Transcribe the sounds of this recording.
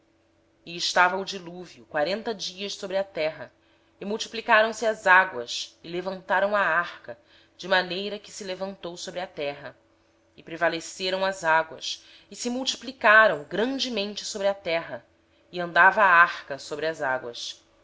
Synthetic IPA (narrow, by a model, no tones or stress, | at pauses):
ɪɪʃt̪avɐud͡ʒiluvjukwaɾẽnt̪ɐd͡ʒiɐʃsobɾɪɐt̪ɛɦɐ | ɪmuwt͡ʃi̥plikaɾɐ̃w̃sɪɐzaɡwɐ̰sɪlevɐ̃nt̪aɾɐ̃w̃aaχkɐ | d͡ʒɪmanejɾɐkɪ̥sɪlevɐ̃nt̪owsobɾɪɐt̪ɛɦɐ | ɪpɾevaleseɾɐ̃w̃ɐzaɡwɐ̰s | ɪsɪmuwt͡ʃi̥plikaɾɐ̃w̃ɡɾɐ̃nd͡ʒɪmẽnt͡ʃɪ̥sobɾɪɐt̪ɛɦɐ | ɪɐ̃nd̪avɐːaχkɐsobɾɪɐzaɡwɐ̰s